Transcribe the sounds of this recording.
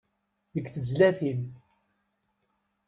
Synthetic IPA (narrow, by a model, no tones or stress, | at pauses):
ðəkːθəzlæθin